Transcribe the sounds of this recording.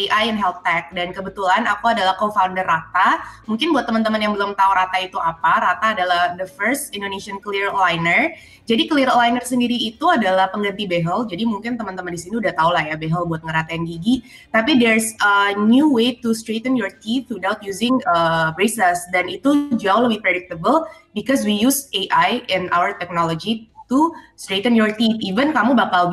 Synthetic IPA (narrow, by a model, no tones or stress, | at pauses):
iʔajɛnɦɛltːɛk̚dankəbət̪ulanakuadalahkonfaundərat̪amuŋkɪnbuat̪ːəmənt̪əmənjaŋbəlʊmt̪auɾat̪ait̪uapaɾat̪aːdalahdəfərst̪indonesiənkliɾlajnər | d͡ʒadikəliɾolajnərsəndiɾiːt̪uadalahpəŋɡənt̪ibeɦəld͡ʒadimuŋkɪnt̪əmənt̪əməndisiniudaht̪aulahjabeɦəlbuat̪̚ŋəɾat̪ajaŋɡiɡi | t̪apidɛrsənjuwet̪ust̪ɾet̪ənjɔrt̪it̪ɾudawt̪̚juzɪŋəbɾesəsdanit̪ud͡ʒuawləbihpɾedɪk̚t̪əbəlbikɔs̬wijuseʔajɛna̰wərt̪ɛk̚nolod͡ʒit̪ust̪ɾet̪ənjɔrt̪it̪ivənkamubakal